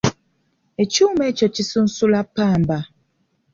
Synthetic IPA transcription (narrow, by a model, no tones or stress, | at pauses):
et͡ʃumet͡ʃɔt͡ʃisun̩sulapaːm̩ba